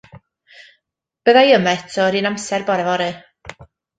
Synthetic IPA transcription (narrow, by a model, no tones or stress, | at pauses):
b̥əðajəmɛtʰɔɾinamsɛrbɔɾɛvɔɾɨ